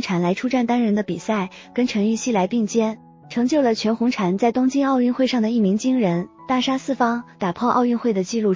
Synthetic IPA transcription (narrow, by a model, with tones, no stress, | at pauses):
ŋʈ͡ʂʰa˧˩nla˧˥ɪʈ͡ʂʰu˥ʈ͡ʂa˥˩nt̪a˥nɻə˧˥nd̪ə˧pi˨˩sa˥˩ɪkə˥nʈ͡ʂʰɤ˧˥ŋy˥˧ɕi˥˩la˧˥ɪpi˥˩˧ŋt͡ɕjɛ˥n | ʈ͡ʂʰɤ˧˥ŋt͡ɕjo˥˩ʊlə˩t͡ɕʰɥɛ˧˥nxʊ˧˥ŋʈ͡ʂʰa˨˩nt͡sa˥˩ɪt̪ʊ˥ŋt͡ɕi˥nɑ˥˧ʊy˥˧nxwe˥˧ɪʂɑ˥˩ŋd̪ə˩i˥˩mi˧˥ŋt͡ɕi˥ŋɻə˧˥nt̪a˥˩ʂa˥sɹ̩˥˩fɑ˥ŋt̪a˨˩pʰɔ˥˧ʔɑ˥˧ʊy˥˧nxwe˥˩ɪd̪ə˩t͡ɕi˥˧lu˥˩